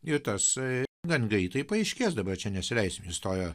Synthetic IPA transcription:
ɪɾt̪ɐsɡɐnɡʲɐɪt̪ɐɪpɐɛɪʃʲkʲeːsd̪ɐbɐrt͡ʃʲɛnʲɛsʲɪlʲɛɪsʲmʲejɪst̪oːjoː

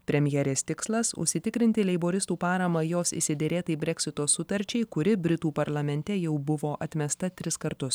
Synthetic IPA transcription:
pʲɾʲɛmʲjɛɾʲeːst̪ʲɪkslˠɐsʊ̰ʃʲsʲɪt̪ʲɪkɾʲɪnʲt̪ʲɪlʲɛɪboːɾʲɪst̪uːpɑːɾɐmɐjoːsɪ̰sʲɪd̪ʲɛɾʲeːt̪ɐɪbʲɾʲɛkʲsʲɪt̪oːsʊt̪ɐɾʲt͡ʃʲɛɪkʊɾʲɪbʲɾʲɪt̪uːpɐɾlˠɐmʲɛnʲt̪ʲɛjɛʊbʊʋoːʔɐt̪ʲmʲɛst̪ɐt̪ʲɾʲɪskɐɾt̪ʊs

